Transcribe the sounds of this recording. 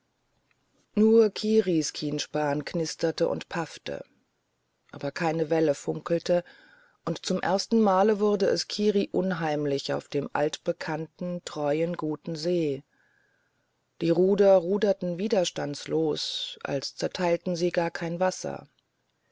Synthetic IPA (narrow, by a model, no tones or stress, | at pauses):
nuːɐkʰiːʁiskʰiːnʃpaːnkʰnɪstɐtəʔʊ̰ntpʰaftə̰ | ʔaːbɐkʰaɪnəvɛləfʊŋkl̩tʰə | ʔʊntt͡sʊmʔḛɐstn̩maːləvʊʁɐdəʔɛskʰiːʁiʔʊnɦaɪmlɪça̰ʊfd̥eːmʔa̰ltb̥əkʰantn̩tʁ̥ɔʏənɡuːtn̩zeː | d̥iːʁuːdɐʁuːdɐtn̩viːdɐʃtansloːsʔa̰lst͡sɛɐtʰaɪltn̩ziːɡaːɐkʰaɪnvasɐ̰